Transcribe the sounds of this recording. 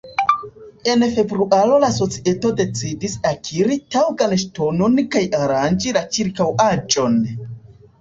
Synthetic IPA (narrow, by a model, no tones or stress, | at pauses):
e̞nfe̞bɾuʔalo̞laso̞t͡sie̞to̞de̞t͡sidisakʰiɾitawɡanʃto̞no̞nkajaɾand͡ʒilat͡ʃiɾkawad͡ʒo̞n